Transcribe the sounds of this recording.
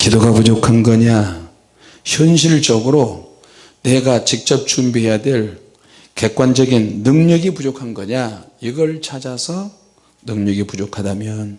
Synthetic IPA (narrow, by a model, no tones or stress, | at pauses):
kidoɡapud͡ʑokʰanɡʌɲa | çjʌnɕ̬ʰiɭt͡ɕʌɡɯɾo | neɡat͡ɕik̚t͡ɕ͈ʌp̚t͡ɕumbiɦe̞jadweɭ | ke̞k̚k͈wand͡ʑʌɡinːɯŋɲʌɡipud͡ʑokʰanɡʌɲaiɡʌɭt͡ɕʰad͡ʑasʰʌ | nɯŋɲʌɡipud͡ʑokʰadamjʌn